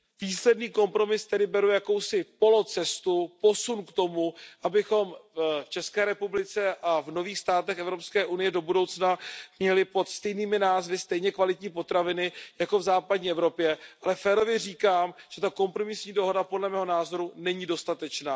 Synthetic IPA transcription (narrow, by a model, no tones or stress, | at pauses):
viːslɛdniːko̞mpɾo̞mɪst̪ɛdɪbɛɾujako̞wsɪpo̞lo̞t͡sɛst̪upo̞sunkt̪o̞muʔabɪxo̞mft͡ʃɛskɛːɾɛpublɪt͡sɛʔavno̞viːxst̪aːt̪ɛxɛvɾo̞pskɛːʔunɪjɛdo̞budo̞wt͡snamɲɛlɪpo̞t̪st̪ɛjniːmɪnaːzvɪst̪ɛjɲɛkvalɪt̪ɲiːpo̞t̪ɾavɪnɪjako̞vzaːpadɲiːɛvɾo̞pjɛʔalɛfɛːɾo̞vjɛr̝iːkaːmʒ̥ɛt̪ako̞mpɾo̞mɪsɲiːdo̞ɦo̞dapodlɛmɛːɦo̞naːzo̞ɾunɛɲiːdo̞st̪at̪ɛt͡ʃnaː